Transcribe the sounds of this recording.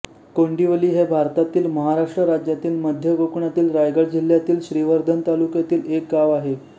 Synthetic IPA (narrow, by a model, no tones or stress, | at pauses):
koɳɖiʋəliːɦebʱaɾt̪at̪iːlməɦaɾaʂʈɾəɾad͡ʑjat̪iːlməd̪ʱjəɡokɳat̪iːlɾajɡəɭd͡ʑil̤ːjat̪iːlɕɾiʋəɾd̪ʱənt̪alukjat̪iːlek̚ɡaʋaɦe